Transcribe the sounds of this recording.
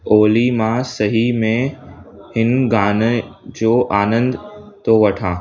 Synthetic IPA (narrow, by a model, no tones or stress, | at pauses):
oːlimãsɐɦimẽ | hɪnɡaːnd͡ʑoːʔaːnə̃nd̪t̪oʋɐʈʰãː